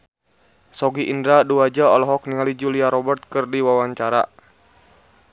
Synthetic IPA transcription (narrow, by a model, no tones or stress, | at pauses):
sɔɡiʔindɾaduad͡ʒaɔlɔɦɔk̚niŋalid͡ʒuliaɾɔbərt̪̚kɨrdiwawaɲt͡ʃaɾa̰